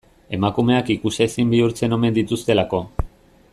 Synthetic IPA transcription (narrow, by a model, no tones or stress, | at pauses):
e̞makume̞akikusesimbiuɾt͡se̞no̞me̞nd̪it̪ust̪e̞lako̞